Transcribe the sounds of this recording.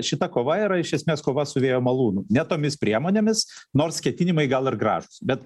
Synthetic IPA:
ʃʲɪt̪ɐkoːʋɐiːɾɐɪʃʲɛsʲmʲeːskoːʋɐsʊʋʲeːjoːmɐlˠuːnunʲɛt̪oːmʲɪspʲɾʲiɛmoːnʲeːmʲɪsnoːɾskʲɛt̪ʲɪnʲɪmɐɪɡɐlˠɪrɡɾɑ̰ːʒʊsbʲɛt̪

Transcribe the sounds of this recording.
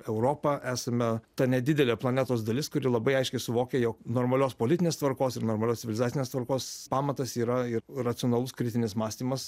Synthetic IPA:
ɛʊɾoːpɐʔæːsɐmʲɛt̪ɐnʲɛd̪ʲɪd̪ʲɛlʲeːplˠɐnʲæːt̪oːsd̪ɐlʲɪskʊɾʲɪlˠɐbɐɪɐɪʃʲkʲɛɪsʊʋoːkʲejoːknoːɾmɐlʲoːspoːlʲɪt̪ʲɪnʲeːst̪ʋɐɾkoːsɪɾnoːɾmɐlʲoːst͡sʲɪʋʲɪlʲɪzɑːt͡sʲɪnʲeːst̪ʋɐɾkoːspɑːmɐt̪ɐsiːɾɐɪrrɐt̪sʲɪonɐlˠʊskɾʲɪt̪ʲɪnʲɪsmɑːsʲt̪ʲiːmɐs

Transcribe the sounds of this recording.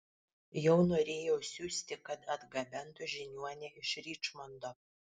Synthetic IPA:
jɛʊnoːɾʲeːjɛʊsʲuːsʲt̪ʲɪkɐt̪ɐd̪ɡɐbʲɛnt̪ʊʒʲɪnʲuɔnʲɛɪʃɾʲiːt͡ʃmɔnd̪oː

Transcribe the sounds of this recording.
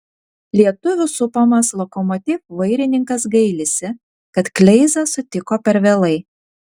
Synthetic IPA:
lʲiɛt̪ʊʋʲʊsʊpoːmɐslˠɔkɔmɔt̪ʲɪfʋɐɪɾʲɪnʲɪŋkɐsɡɐɪlʲɪsʲɪ | kɐt̪klʲɛɪzɐsʊt̪ʲɪkoːpʲɛɾʋʲeːlˠɐɪ

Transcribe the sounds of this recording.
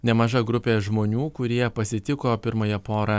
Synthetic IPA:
nʲɛmɐʒɐɡɾʊpʲeːʒmoːnʲuːkʊɾʲiɛpɐsʲɪt̪ʲɪkoːpʲɪɾmɐjɛpoːɾɐ

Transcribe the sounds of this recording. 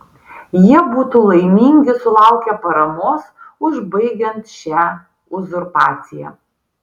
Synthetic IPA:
jiɛbuːt̪uːlˠɐɪmʲiːŋʲɡʲɪsʊlˠɑˑʊkʲɛpɐɾɐmoːsʊʒbɐɪɡʲɛnt̪ʃʲæː | ʊzʊɾpɑːt̪sʲɪjæ̰

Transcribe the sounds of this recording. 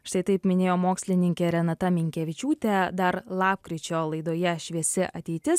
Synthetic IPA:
ʃt̪ɐɪt̪ɐɪpmʲɪnʲeːjoːmoːksʲlʲɪnʲɪŋʲkʲɛɾʲɛnɐt̪ɐmʲɪŋʲkʲɛʋʲɪt͡ʃʲuːt̪ʲɛd̪ɐɾlˠɑːp̚kɾʲɪt͡ʃʲoːlˠɐɪd̪oːjɛʃʲʋʲiɛsʲɪʔɐt̪ʲɛɪt̪ʲɪs

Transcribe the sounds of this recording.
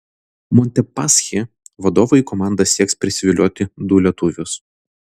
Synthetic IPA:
mɔnʲt̪ʲɛpɑsxʲe | ʋɐd̪oːʋɔikɔmɑˑnd̪ɐsʲiɛkspʲɾʲɪsʲɪʋʲɪlʲoɔt̪ʲɪd̪ʊlʲɛt̪ʊʋʲʊs

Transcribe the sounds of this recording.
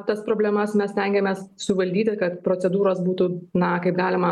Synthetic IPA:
t̪ɐspɾoːbʲlʲɛmɐsmʲɛssʲt̪ʲɛŋʲɡʲɛmʲɛːssʊʋɐlʲd̪ʲiːt̪ʲɪkɐt̪pɾoːt͡s̪ʲɛd̪uːɾoːsbuːt̪uːnɐkɐɪpɡɑːlʲɪmɐ

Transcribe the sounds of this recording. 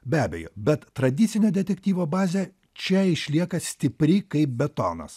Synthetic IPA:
bʲæːbʲɛ̰jo̰ːbʲɛt̪tːɾɐd̪ʲɪt̪sʲɪnʲoːd̪ʲɛt̪ʲɛkʲt̪ʲiːʋoːbɑːzʲɛ | t͡ʃʲɛɪʃʲlʲiɛkɐsʲt̪ʲɪpʲɾʲɪkɐɪp̚bʲɛt̪o̰ːnɐ̰s

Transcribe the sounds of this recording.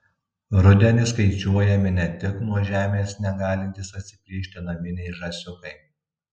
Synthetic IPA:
ɾʊd̪ʲɛnʲɪskɐɪt͡ʃʲuɔjɛmʲɪnʲɛt̪ʲɪknuɔʒʲæːmʲeːsnʲɛɡɑːlʲɪnʲt̪ʲɪsɐt̪ʲsʲɪ̥pʲlʲiːʃʲt̪ʲɪnɐʋʲɪnʲɛɪʒɐsʲʊkɐɪ

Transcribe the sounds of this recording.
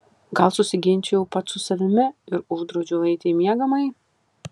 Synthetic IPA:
ɡɐlˠsʊsʲɪɡʲɪnʲt͡ʃʲɛjʊpɐt̪sʊsɐʋʲɪmʲɪɪɾʊʒd̪ɾoːd͡ʒʲʊlˠɐɪt̪ʲeɪmʲiɛɡɐmɐɪ

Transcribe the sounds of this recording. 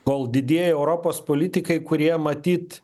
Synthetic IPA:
koːlˠd̪ʲɪd̪ʲiɛjɛɛʊɾoːpoːspoːlʲɪt̪ʲɪkɐɪkʊɾʲiɛmɐt̪ʲiːt̪

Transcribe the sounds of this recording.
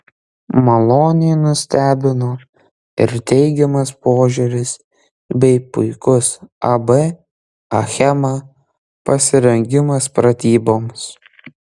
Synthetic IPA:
mɐlˠoːnʲɪjnʊsʲt̪ʲæːbʲɪnoː | ɪ̰ɾt̪ʲɛɪɡʲɛmɐspoːʒʲʊɾʲɪs | bʲɛɪpʊɪkʊsɐbe | ɐxʲɛmɑ | pɐsʲɪɾʲɛŋʲɡʲɪmɐspɾɐt̪ʲiːboːms

